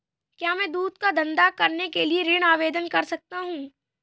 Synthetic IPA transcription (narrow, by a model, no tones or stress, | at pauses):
kjaːmɛ̃ːd̪uːd̪kad̪ɐ̃nd̪akɐɾnekelieɾɪɽ̃aːʋeːd̪ənkɐɾsɐk̚t̪aɦũː